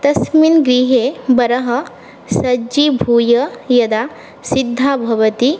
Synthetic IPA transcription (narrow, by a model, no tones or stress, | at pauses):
t̪ɐsminɡɾiːɦeːbɐɾɐɦɐ | sɐd͡ʒibʱuːjɐjɐd̪aː | sid̪ʱːaːbʱɐʋɐt̪i